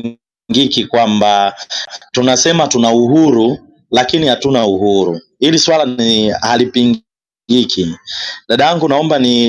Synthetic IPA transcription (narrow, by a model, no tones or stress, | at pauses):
ɡikikwamba | tunasɛmatunauɦuɾu | lakinihatunauɦuɾṵhiliswalahalipiŋɡ | ɡikʰiɗaɗajaŋɡunaɔmbani